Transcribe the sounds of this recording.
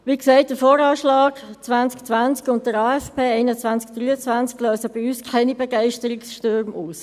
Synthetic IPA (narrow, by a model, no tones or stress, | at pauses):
ʋiːkseɪt̚d̥əfoːɾɑːʃlɑːɡ̥t͡sʋant͡skt͡sʋant͡skʊnt̚d̥əɾɑːɛfpʰeːɛɪnət͡sʋant͡sk̚d̥ryːət͡sʋant͡skløːsəb̥iyːskʰaɪnibɛɡɛɪʃtəɾɪksʃtʏɾmuːs